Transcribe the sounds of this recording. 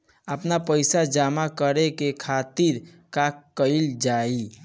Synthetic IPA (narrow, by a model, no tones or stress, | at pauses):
əpnapəjsad͡ʒamakəɾekekʰat̪iɾ | kakːəɪld͡ʒai